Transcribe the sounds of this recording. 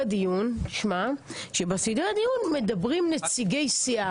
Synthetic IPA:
dijunʃmaʃe̞basideadijunme̞dabʁimnet͡siɡe̞jsia

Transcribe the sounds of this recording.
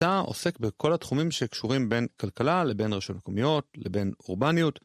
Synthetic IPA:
aʔo̞̰se̞kbekʰo̞latχumimʃekʃuʁimbe̞nkalkalale̞be̞nʁeʃotmekomijo̞tlebe̞nuʁbanijut

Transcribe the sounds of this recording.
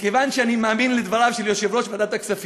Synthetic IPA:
kevanʃeanimaːminled̪valavʃeljoʃevɾoʃvead̪at̪aksafi

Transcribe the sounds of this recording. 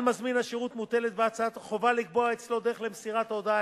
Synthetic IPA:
mazminhaʃeʁut̪mutelet̪̚beat͡saat̪χo̞valikbo̞aet͡slo̞d̪eeχlemsiʁat̪od̪a

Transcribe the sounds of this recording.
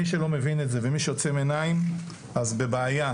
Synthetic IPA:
iʃe̞lo̞mevinetze̞vemiʃejot͡semenaim | azbe̞beaja

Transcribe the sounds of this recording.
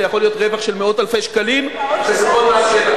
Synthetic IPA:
jaχo̞lijo̞tʁe̞vaχʃe̞lmeo̞talfejʃkalimʃezemoae

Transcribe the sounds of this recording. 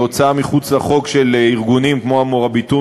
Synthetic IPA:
ot͡saamiχut͡slaχo̞kʃe̞liʁɡunimkmo̞amoʁabitu

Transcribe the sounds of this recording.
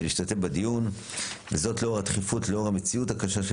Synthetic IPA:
liːʃtate̞fbadijun | vezo̞tleoʁat̪χifutleoʁamet͡siutakaʃaʃ

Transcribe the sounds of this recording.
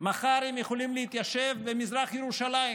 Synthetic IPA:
maχaɾhemjeχolimleit̪jaʃevbemizʁaχjeɾuʃalai

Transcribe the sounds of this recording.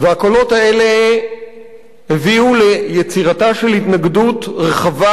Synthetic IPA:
veako̞lo̞thae̞le | heviulejet͡siʁataʃe̞lhitnaɡdutʁeχava

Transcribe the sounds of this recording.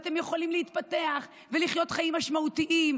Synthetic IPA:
t̪e̞mjeχolimliit̪pat̪e̞aχ | veliχjo̞t̪χajimːaʃmaut̪iʔim

